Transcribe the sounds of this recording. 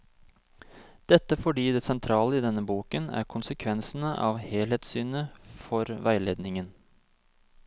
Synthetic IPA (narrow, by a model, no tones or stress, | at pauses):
d̪̥ɛt̪ːəfɔɖiːd̪ɛːsɛnt̪ʰɾɑːləɪd̪ɛnːəbuːkənæ̰ːɾkʰʊnsəkʰʋɛnsn̩əʔɑːʋheːlheːt̪syːnəfɔɾʋæɪleːd̪nɪŋən